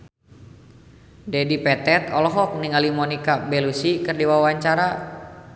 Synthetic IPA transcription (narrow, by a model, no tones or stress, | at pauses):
dɛdipɛt̪ɛt̪ɔlɔɦɔk̚niŋalimɔnikabɛlusikɨrdiwawaɲt͡ʃaɾa